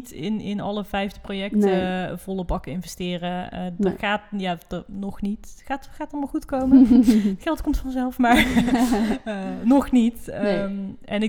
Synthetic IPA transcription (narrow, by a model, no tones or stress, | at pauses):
tɪnɪ̰nɑ̰ləvɛjvdəprowjɛk̚təv̥ɔləbɑkəɪnvɛstɪːrədəχaːtjaːdnɔxnitxaːtxaːtɑlˠmaxutkowməntxɛlˠtkɔmtfɑnzɛlˠfmaːɹ | nɔxnit | ɛnɪ